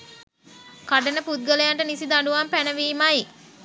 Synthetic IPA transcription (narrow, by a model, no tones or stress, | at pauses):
kaɖənəput̪̚ɡələjaɳʈənisid̪aɳɖuʋampænəʋiːmaj